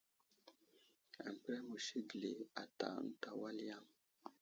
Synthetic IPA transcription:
a̰˨m˨pɾɛ˦mu˨ʃi˦ɡle˨a˨ta̰˨˦n̩˦ta˨wa˦lja˦m

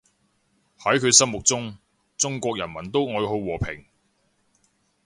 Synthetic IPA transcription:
hɐ˨˥jkʰɵ˨˧ɥsɐ˥mʊ˨k̚t͡sʊ˥ŋ | t͡sʊ˥ŋkʷɔː˧k̚jɐ˨˩nmɐ˨˩nt̪o˥wŋɔː˨˧ɦo˨˧wwɔː˨˩pʰɪ̰˨˩ŋ

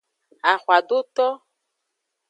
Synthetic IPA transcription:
a˨xwa˨d̪o˦t̪ɔ˦

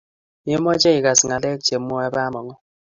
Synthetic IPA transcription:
je˦mɔ˦d͡ʒɛ˦i˨ka˨sŋa˨lɛ˦k̚d͡ʒe˨mːɔ˦a˦ba˦mɔ˨ŋɔ˦

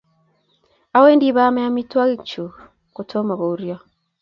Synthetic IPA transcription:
a˨˦we˦ndi˨βa˦ma˦ja˦mi˦twa˦ɣi˦˨t͡ʃu˨ | ku˨tʰo˦ma˨βo˨uɾjo˦

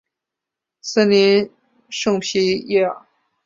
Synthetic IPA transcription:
sə˥li˧˥n | ʂɤ˥˧ŋpʰi˧˥jɛ˥˩

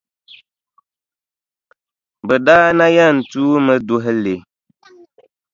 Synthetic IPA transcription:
bə˨daː˦na˦ja˦˨n̩˨tuː˦mə˨du˦ɦɛ˦le˨

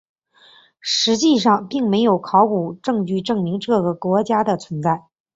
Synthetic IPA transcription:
ʂɻ̩˧˥t͡ɕi˥˧ʂɑ˥˧ŋpi˥˩ŋme˧˥ɪjo˨˩ʊkʰɑ˧˥ʊku˨˩ʈ͡ʂɤ˥˧ŋt͡ɕy˥˧ʈ͡ʂɤ˥˩ŋmi˧˥ŋʈ͡ʂɤ˥˩ɡə˩kwɔ˧˥t͡ɕja˥d̪ə˨t͡sʰwə˧˥nt͡sa˥˩ɪ

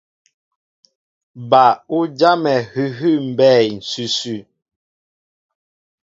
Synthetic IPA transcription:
ba˨u˦d͡ʒa˦mɛ˨hʉ˦ɦʉ˦˨m̩˨bɛ˦˨jn̩˨sʉ˦sʉ˦˨

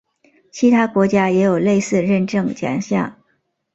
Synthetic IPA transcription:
t͡ɕʰi˧˥t̪ʰa˥kwɔ˧˥t͡ɕja˥jɛ˧˥jo˨˩ʊle˥˧ɪsɹ̩˥˧ɻə˥˧nʈ͡ʂɤ˥˩ŋt͡ɕja̰˨˩ŋɕja̰˥˩ŋ

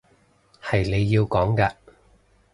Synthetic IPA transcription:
hɐ˨jne˨˧jːiː˧wkɔː˨˥ŋkɐ˧

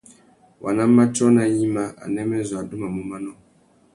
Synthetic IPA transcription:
wʔa̰˨na˦a˦t͡ʃɔ˦na˨ji˦ma˨ʔa̰˨nɛ˦mɛ˦zwa˨du˦ma˨mu˨ma˦nɔ˦˨

